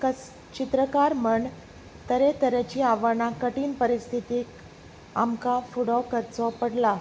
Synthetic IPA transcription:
kə | t͡ɕit̪ɾəkaɾməɳɖ | t̪əɾet̪əɾat͡ɕiːaʋəɳakəʈiːnpəɾist̪ʰit̪iː | a̰mkafuɽɔkəɾt͡sɔpəɽla

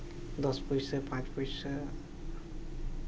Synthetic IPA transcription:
d̪ʌspʌjsʌpãt͡spʌjsʌ

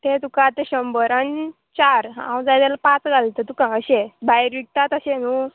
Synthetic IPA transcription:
t̪et̪ukat̪eɕəmbəɾan | t͡ɕaɾã̰w̃d͡zajd̪ɛlapãt͡sɡalt̪ət̪ukãəɕebaiɾʋik̚t̪at̪əɕẽnu

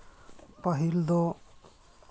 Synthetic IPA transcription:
pʌɦild̪o

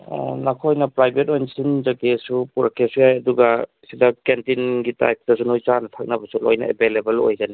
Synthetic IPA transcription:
ɔ̰nakʰojnɐpɾajbetojnsinzakesupuɾʔakʰːesujajɐduɡa | sidakentinɡita̰jk̚dɐs̬unojt͡ʃanɐtʰak̚nɐbɐsulo̰jna̰ḛbelebɐlo̰jzani

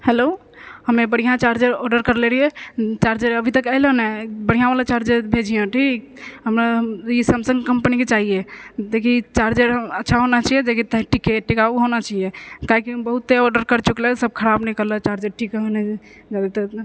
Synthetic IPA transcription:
helo | həmebəɽ̤ijãt͡ʃaɾd͡ʒeɾɔɖəɾkəɾleɾijet͡ʃaɾd͡ʒeɾəbʱit̪əkəɪlənebəɽ̤ijãʋalat͡ʃaɾd͡ʒeɾbʱed͡ʒijɔ̃ʈʰik | ɦəmɾaisəmsəŋɡkəmpəniket͡ʃaɦijet̪ekʰit͡ʃaɾd͡ʒeɾəətːʃʰaɦonat͡ʃʰijed͡ʒekit̪ə̃ʈikeʈikauɦonat͡ʃaijekaɦikibəɦut̪ːeɔɖəɾkəɾt͡ʃuklesəb̚kʰəɾabnəikəɾlət͡ʃaɾd͡ʒeɾʈʰikɦənɛd͡ʒad̪et̪ɔ

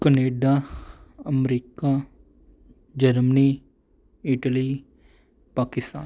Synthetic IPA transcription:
kəneːɖaːəmɾiːkaː | d͡ʒəɾməniː | ɪʈəliː | paːkɪst̪a̰ːn

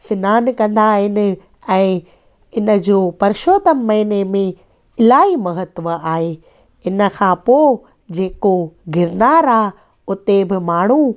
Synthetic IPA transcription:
sɪnaːnkɐ̃nd̪aɦɪnɪ̆ | ɛ̃ː | ɪnə̆d͡ʑoːpɐɾʃoːt̪əmːɐɦɪnemẽ | ɪlaːimɐɦət̪ʋəaːɦe | ɪnə̆kʰãpoː | d͡ʑeːkoɡʱɪɾnaːɾaːɦ | ʊt̪ebɪmaːɳ̤u

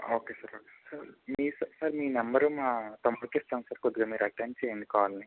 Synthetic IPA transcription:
oːkeːsɐɾoːkeːsɐɾmiːsɐsɐɾmiːnɐmbɐɾumaːt̪ɐmːɐɾkesʈtɐːnsɐɾkod̪ːiɡamiːɾɐʈːeɳʈt͡ʃeːjnd̪ikaːʋaːlɐni

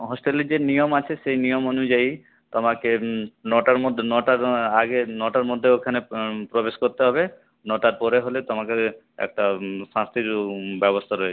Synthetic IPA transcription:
ɦɔsʈelid͡ʒenijomat͡ʃʰesejnijomonud͡ʒaj | t̪ɔmakenɔʈaɾmod̪ʱnɔʈaɾaɡenɔʈaɾmod̪ʱːeokʰanepɾobeskoɾt̪eɦɔbe | nɔʈaɾpɔɾeɦolet̪ɔmake | ɛ̰k̚ʈasãst̪iɾbɛbɔst̪ʰaɾɔɦee̥

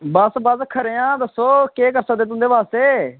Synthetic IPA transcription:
bəsbəskʰəɾeːãːd̪əsːoːkeːkəɾsəkd̪eːt̪ʊ̃nd̪eːpaːst̪eː

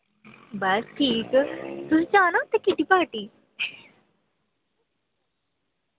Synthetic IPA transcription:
bəsʈʰiːkt̪uɦĩd͡zanot̪ekiʈ̪ipaʈiː

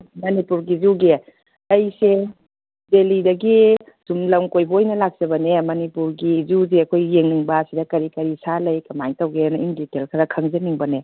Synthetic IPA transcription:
mɐnipuɾɡizuɡe | ɐjse | delidɐɡi | sumlɐmkojbɐojnɐlak̚sɐbɐnemɐnipuɾɡizuzeɐkʰojːeŋniŋbɐsidɐkɐɾikɐɾisalɐjkɐmajŋtɐwɡenɐimditelkʰɐɾɐkʰɐŋzɐmiŋbɐne

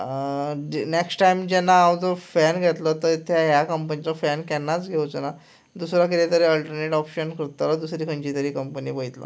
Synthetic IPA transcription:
neksʈaimd͡ʑɛnːaawd͡zɔfɛnɡʱɛt̪lət̪əit̪ʰaɦjakəmpənilɔfɛnkɛnːat͡sɡʱeot͡səna | d̪usɾak̬it̪et̪əɾeəlʈəɾneʈɔpɕənkʰɾt̪alad̪usɾiːkʰə̃ɳt͡ɕit̪əɾiːkəmpəniːpəit̪la̰

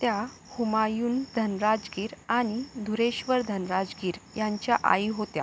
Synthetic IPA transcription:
t̪ja | humajuːnd̪ʱənɾad͡zɡiːɾaɽ̃id̪ʱuɾeɕʋəɾd̪ʱənɾad͡zɡiːɾjaɲt͡ɕjaʔa̰iɦot̪ja̰

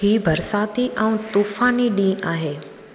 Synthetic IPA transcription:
hibʱəɾsat̪iʔə̃w̃t̪ufaniɖĩːʔaɦe

